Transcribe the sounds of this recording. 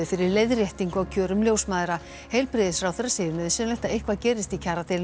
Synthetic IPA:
ɪfɪɾɪɾlejðrjɛht̪iŋkawcʰœːɾʏmljoːwsmaːðɾa | hejlpɾɪːðɪsfɾawθɛrːasɪːðɾmɪðɪsɛːnlajht̪aejhkvaðcɛːɾɪst̪icʰaːɾat̪ʰejl

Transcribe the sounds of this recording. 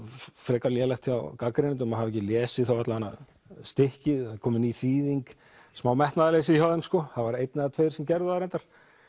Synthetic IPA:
fɾɛːkaljɛlɛxt̪çawkakɾenɪnt̪ʏmaɦavɛhc̬ːɪljɛːsɪθowat̪lahanːa | st̪ɪhcɪðkʰɔːmɪniθiːðiŋk | smaːwmɛht̪naːðalejs̬ɪiçawðɛmskɔθaðvaɾejt̪nɪaat̪ʰvejɾ̥sɛmcɛɾðʏaɾɛnt̪aɾ̥

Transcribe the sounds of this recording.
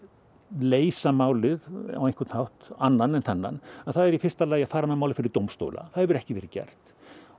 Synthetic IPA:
leːjsamaːwlɪða̰wẽŋ̥kʰʏɾt̪n̥hawht̪anːanɛnθɛnːa̰naðθaðɛɾifɪr̥st̪alaːjafaːɾamɛmawlɪfɪɾɪɾt̪owmst̪o̰ːwla̰θaðɛvʏɾɛhcɪvɛːɾɪcɛ̰r̥t̪

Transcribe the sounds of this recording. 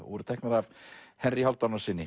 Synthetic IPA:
ṵːɾʏt̪ʰɛknaɾavhɛnrihɔlt̪ɔnɔsɪnːɪ

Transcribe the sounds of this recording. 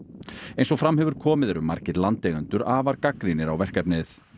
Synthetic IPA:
ejnsɔfɾamːhɛvʏɾ̥kʰɔːmɪðɛɾʏmːa̰ɾ̥cɪðlant̪lɛːɣʏnt̪ʏɾaːvaɾkakɾinɪɾawvɛr̥kɛpnɪθ

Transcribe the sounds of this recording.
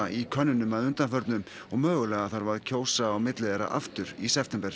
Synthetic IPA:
aʔikʰœnːʏnːʏmaðʏnt̪anfœɾt̪nʏm | ɔɣmœːɣʏlɛːɣaθaɾvaɾðcʰoːwsaːwmɪt̪lɪðɛɾa̰ʔa̰ft̪ʏɾisɛft̪ɛmpɛɾ̥

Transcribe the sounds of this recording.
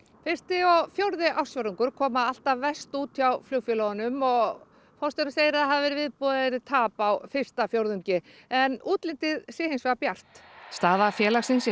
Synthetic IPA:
fɪr̥st̪ɪɔɣfjowɾðɪʔaw̥sjɔɾʏŋkʏɾ̥kʰɔːmaal̥t̪avvɛst̪uːt̪ʰjawfljoːwfjɛlɔɣanʏmɔɣ | fɔst̪ɛɾnaseːjɪɾaðhaðɪvɛɾɪvɪðpɔːðaɾɪt̪ʰaːpawfɪr̥t̪afjowɾðʏɲcɪ | ɛnuːt̪lɪnt̪ɪðsɪːhejnsvɛɣapjar̥t̪st̪aːðafjɛːlaɣsɪns

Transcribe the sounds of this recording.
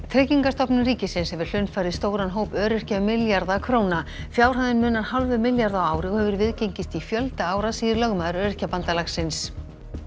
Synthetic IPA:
t̪ʰɾɛːciŋkast̪ɔpnʏmriːcɪsɪnshɛvɪɾ̥l̥ʏnfajɾɪðst̪oːwɾanɦoːwpœːɾɪr̥caʏmɪljaɾðakʰvɾoːwna | fjaːwr̥haðɪnmʏːnaɾhalvʏmɪljaɾðawaːwɾɪɣɔhɛvʏɾvɪðcejɲcɪst̪ifjœlt̪ɪaːwɾasiːðɪɾlœɣmaðʏɾœːɾɪr̥capant̪alaxsɪns

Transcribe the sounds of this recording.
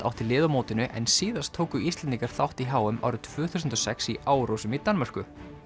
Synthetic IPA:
a̰wht̪ɪlɪːðamoːwt̪ɪnʏʔɛ̰nsiːðast̪ʰːoːwkʏist̪lɛnt̪iŋkaɾ̥θawht̪iɦaːwʏmʔa̰wɾʏt̪ʰvʏːθusʏnt̪ɔsɛksiʔaːwɾowsʏmit̪anmar̥kʏ

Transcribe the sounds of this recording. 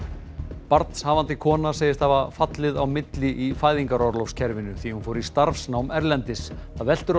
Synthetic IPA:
paɾt̪n̥shaːvant̪ɪkʰɔːnaseːjɪst̪havafat̪lɪðawmɪt̪lɪʔifaːjðiŋkaɾɔɾlɔfscʰɛɾvɪnʏθihnfowɾɪɾist̪aɾfsnaːwmɛɾlɛnt̪ɪsaðvɛl̥t̪ʏɾ

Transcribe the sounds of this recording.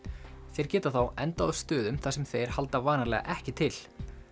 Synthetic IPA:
θɛjɾ̥cɛːt̪aθawɛnt̪aːðst̪ʏːðʏmθasɛmθejɾ̥hal̪t̪avaːnaɾlɛːɣa̰ʔɛhcɪt̪ʰɪl

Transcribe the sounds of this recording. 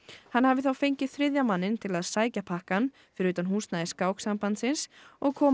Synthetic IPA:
hanːhavɪθawfejɲcɪθɾɪðjamanːɪnt̪ʰɪlaðsaːjcapʰahkan | fɪɾɪɾyːt̪anɦuːsnaðɪskaːwksampant̪sɪnsɔɣkʰɔː

